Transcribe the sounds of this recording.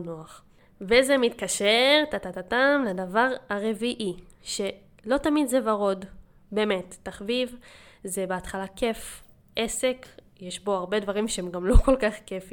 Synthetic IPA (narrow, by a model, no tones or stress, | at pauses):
noaχ | vezemit̪kaʃeʁt̪at̪at̪atamleadavaʁaʁe̞viʔiʃe̞ | lo̞t̪amidzevaʁo̞d | be̞me̞tːaχvivze̞beat̪χalake̞f | ʔe̞se̞k | jeʃbo̞aʁbe̞dvaʁimʃeemɡamlo̞ko̞lkaχkefi